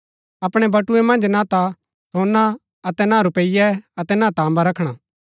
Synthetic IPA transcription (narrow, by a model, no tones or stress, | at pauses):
ɐpɽ̃ɛbɐʈuemɐ̃nd͡ʒnãt̪a | t̪ʰoːna | ɐt̪ɛnãːɾʊpeɪjɛɐt̪ɛnãːt̪aːmbaɾɐkʰɽ̃a